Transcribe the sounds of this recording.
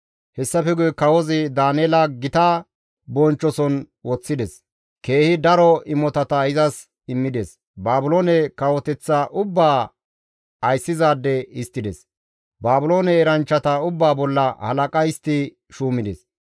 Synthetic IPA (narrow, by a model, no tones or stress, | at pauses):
hɛsːɐfɛɡʊjkɐwɔzɪd̪aːneːlɐɡɪt̪ɐ | bɔnt͡ʃːɔsɔn | wɔt͡sːɪd̪ɛs | ke̞ːhɪd̪ɐɾɔɪmːɔt̪ɐt̪ɐɪzɐs | ɪmːɪd̪ɛs | baːbʊloːnɛkɐwɔt̪ɛt͡sːaʔʊbːaː | ɐjsːɪzaːd̪ːɛɪst̪ːɪd̪ɛs | baːbʊlo̞ːnɛːɾɐnt͡ʃːɐt̪ɐʊbːaːbɔlːɐhɐ̰lɐkʼɐɪst̪ːɪ | ʃuːmɪd̪ɛs